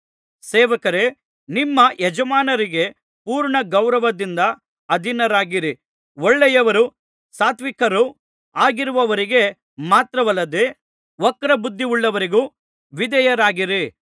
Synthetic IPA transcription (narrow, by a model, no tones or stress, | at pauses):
sɛːʋɐkɐɾe̞ | nimːɐjɛd͡ʒɐmaːnɐɾiɡe̞ | puːɾɳɐɡɐwɾɐʋɐd̪ind̪ɐ | ɐd̪ʱinɐɾaːɡiɾi | ɔɭːɛjɐʋɐɾu | saːt̪ʋikɐɾu | aːɡiɾuʋɐʋɐɾiɡe̞ | maːt̪ɾɐʋɐlːɐd̪e | ʋɔkːɐɾɐbud̪ʱːiuɭːɐʋɐɾiɡuː | ʋid̪ɐjɐɾaːɡiɾi